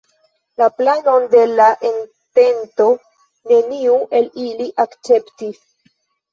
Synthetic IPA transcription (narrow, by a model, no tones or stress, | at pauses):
laplano̞nde̞laʔen | te̞nto̞ | ne̞niuʔe̞liliʔakt͡se̞ptis